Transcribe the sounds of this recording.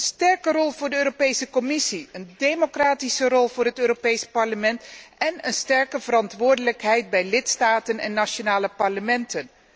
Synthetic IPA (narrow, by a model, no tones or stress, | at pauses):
nstɛɹkərɔlˠvʊːɹdəøːropejsəkɔmɪsiəndejmokraːtisərɔlˠvʊːrɦətøːɾopejspɑɹləmɛntɛnənstɛɹkəvərɑntʋʊːɹdələkɦɛjt̚bɛjlɪtstaːtənɛ̰nːaʃonaːləpɑɹləmɛntən